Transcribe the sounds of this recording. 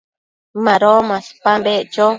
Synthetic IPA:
mãɾomãspambeʔt͡ʃo

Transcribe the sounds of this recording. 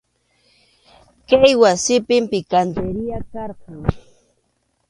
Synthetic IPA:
kajwasɪpɪmpɪkant̪eɾɪjakɑɾqɑŋ

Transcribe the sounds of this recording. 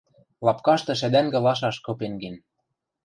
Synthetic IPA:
lɑpkɑʃt̪ɤ̆ʃ̬æd̪æŋɡɘ̆lɑʃ̬ɑʃkɤ̆penɡen

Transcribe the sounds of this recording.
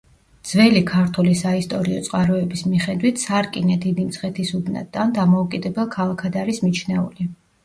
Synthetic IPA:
d̪z̥vɛlikʰaɾt̪ʰulisaist̪ʼɔɾiɔt̪sʼqʼaɾɔɛbismiχɛd̪wit̪ʰsaɾkʼinad̪id̪imt̪sʰχɛt̪ʰisub̪na̰d̪and̪amɔukʼid̪ɛbɛlˠkʰalˠakʰad̪aɾismit͡ʃʰnɛṵli

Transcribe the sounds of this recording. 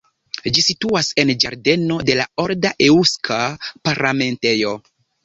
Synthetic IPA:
d͡ʒisituase̞nd͡ʒaɾde̞no̞de̞lao̞ɾdaʔe̞uskʰapaɾlame̞nte̞jo̞

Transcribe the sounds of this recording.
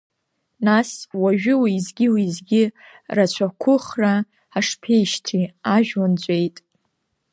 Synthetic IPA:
naswaʒᶣɪwiːzɡʲiwizɡʲɪ | rat͡ɕʷʰakʷʰʊχra | aʂpʰe̞jʃtʰiaʒᶣwand͡ʑʷʼe̞jtʼ

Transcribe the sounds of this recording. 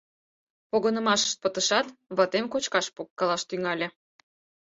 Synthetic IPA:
poɣənə̆mɑʃə̥ʃt̪̚pət̪əʃɑt̪βɑt̪emkot͡ɕkɑʃpokːɑlɑʃt̪yŋɑlʲĕ

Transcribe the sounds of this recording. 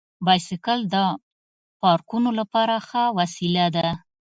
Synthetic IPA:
bɑjsɪkəld̪ə | pɑɾkunolapɑɾaxawasilad̪a

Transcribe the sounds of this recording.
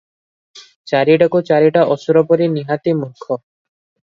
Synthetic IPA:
t͡ʃaɾiʈakut͡ʃaɾiʈaʔɔsuɾɔpɔɾiniɦat̪imukʰːɔ

